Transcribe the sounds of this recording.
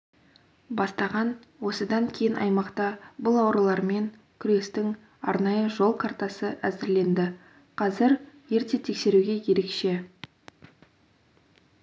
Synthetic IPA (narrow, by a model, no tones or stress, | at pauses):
bɑst̪ɑʁɑn | wo̞səd̪ɑŋkʲʰejɪnʔɑ̰jmɑqt̪ɑbʊlˠɑwɾəlˠɑɾme̞ŋ | kʲʰʏɾe̞st̪ɪŋ | ɑ̰ɾnɑjəʒo̞lˠqʰɑrt̪ɑsəʔæzɪɾle̞nd̪ɪ | qʰɑzɪɾje̞ɾt̪e̞t̪ʰe̞kse̞ɾuɡʲe̞kʲʰe̞ɾe̞kʃe̞